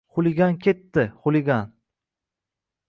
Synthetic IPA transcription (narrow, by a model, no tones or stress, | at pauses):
χʊlɪɡʲankʲʰe̞t̪ːɪχʊlɪɡʲan